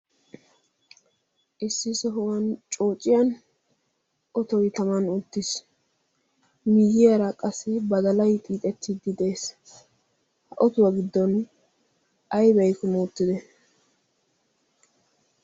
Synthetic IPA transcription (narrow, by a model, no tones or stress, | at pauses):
ʔɪsːɪsɔɦʊwɐnt͡ʃʼo̞ːt͡ʃʼːɪjɐn | ʔɔt̪ɔjt̪ɐmɐnʊt̪ːɪs | miːjɪjɐɾɐkʼɐsːɪbɐd̪ɐlɐjt̪ʼiːt̪ʼɛt̪ːid̪ːɪd̪e̞ːs | hɐʔɔt̪ʊwɐɡɪd̪ːɔn | ʔɐjbɛjkʊmoːt̪ːɪd̪ɛ